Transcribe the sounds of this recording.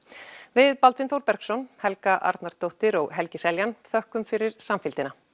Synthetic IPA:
vɪðpalt̪vɪnθowɾpɛɾ̥ksɔnhɛlkaʔa̰ɾt̪naɾ̥t̪ːowht̪ɪɾɔɣɦɛlcɪsɛljanθœhkʏmfɪɾɪɾ̥samfɪlt̪ɪna

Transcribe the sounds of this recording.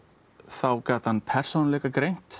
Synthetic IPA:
θawkaːt̪hanːpʰɛr̥sownlɛkakɾejn̥t̪

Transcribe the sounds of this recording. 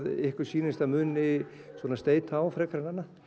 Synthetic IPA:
ðɪhkʏ̥siːnɪst̪amʏːnɪ | sɔːnast̪eːjt̪ʰaːwfɾɛːkʰɾananːa

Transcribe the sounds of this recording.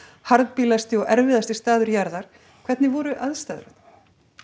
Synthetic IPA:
haɾðpilast̪ɪɔɣɛɾvɪðast̪ɪst̪aːðʏɾjaɾðaɾ̥ | kʰvɛt̪nɪvɔːɾʏʔaðst̪aðɾa̰t̪

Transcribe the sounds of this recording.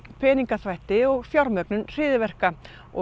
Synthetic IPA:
pʰɛːniŋkaθvajht̪ɪɔɣfjawɾmœknʏnr̥ɪːðɪvɛr̥ka | ɔ

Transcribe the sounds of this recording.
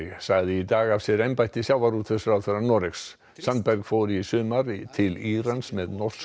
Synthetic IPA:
saɣðɪit̪aːɣav̥sjɛɾɛmpajht̪ɪsjaːwvaɾut̪ʰθɛsʏɾaθœɾanɔɾɪksː | ant̪̚pɛɾɣfɔːwɾɪsʏːmaɾt̪ʰɪliɾansmɛðnɔr̥s

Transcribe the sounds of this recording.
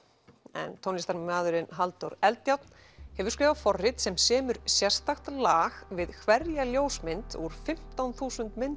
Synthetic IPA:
ɛ̰nt̪ʰownist̪aɾmaːðʏɾɪnɦalt̪owɾɛlt̪jawt̪n̥ | hɛvʏɾ̥skɾɛːvafɔrːɪt̪sɛmsɛːmʏɾsjɛr̥st̪axt̪laːxvɪðkʰvɛɾjaljoːwsmɪnt̪uɾ̥fɪm̥t̪awnθuːsʏnt̪mɪnt̪

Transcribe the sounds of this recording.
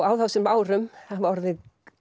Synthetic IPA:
awðawsɪnvaːwɾʏmθavɔɾðɪð

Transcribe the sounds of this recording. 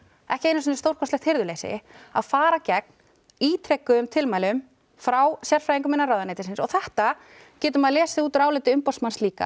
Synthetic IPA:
ɛhcɪejnʏsœnɪst̪owɾ̥kʰɔst̪lɛxt̪hɪɾðʏlejsɪ̰a̰ðfaːɾacɛk̚n̥ | iːt̪ʰɾɛkːʏʏmt̪ʰɪlmajlʏm | fɾawsjɛr̥fɾajiŋkʏmɪnːaɾawðanejt̪ɪ̥sɪnsɔɣθɛht̪a | cɛːt̪̬ʏmaðlɛːsɪuːt̪ʏɾaːwlɪːt̪ɪʏmpɔsmansliːka̰

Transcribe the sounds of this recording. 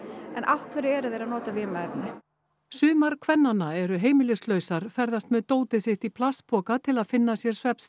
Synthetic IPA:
ɛnʔawhkʰvɛɾɪɛɾʏðejɾaðnɔːt̪avɪːmaɛpnɪ | sʏːmaɾ̥kʰvɛnːanːaɛɾʏɦeːjmɪlɪst̪lœɥsaɾ̥fɛɾðast̪mɛðt̪oːwt̪ɪsɪht̪ipʰlast̪̚pʰɔːkat̪ʰɪlaðfɪnːasjɛɾ̥svɛps

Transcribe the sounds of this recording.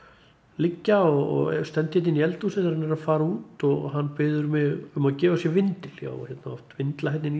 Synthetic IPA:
lɪcːaɔɣɔ̰ɣst̪ɛnt̪ɪhɛt̪ɪniɛlt̪usɛθɾanɛɾaðfaːɾauːt̪ɔɣɦanːpɪːðʏɾmɛɣʏmaðcɛːvasjɛvɪnt̪ɪl̥ja̰ːwçɛt̪naɔft̪vɪnt̪laɦɛt̪nɪn

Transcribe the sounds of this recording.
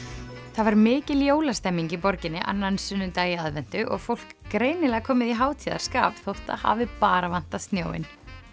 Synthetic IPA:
θaðvaɾmɪːcɪljoːwlast̪ɛmːiɲcipɔɾcɪnːɪʔa̰nːansʏnʏt̪aːjaðvɛn̥t̪ʏʔɔ̰ɣfowl̥kːɾeːjnɪlɛːɣakʰɔːmɪðiɦaːwt̪ʰiða̰ɾ̥ska̰ːvθowht̪a̰ha̰vɪpaːɾavan̥t̪ast̪njo̰ːwɪ̰n

